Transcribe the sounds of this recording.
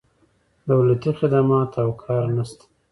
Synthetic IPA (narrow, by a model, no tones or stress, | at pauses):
d̪awlat̪ixɪd̪amɑt̪awkʰɑɾnast̪ḁ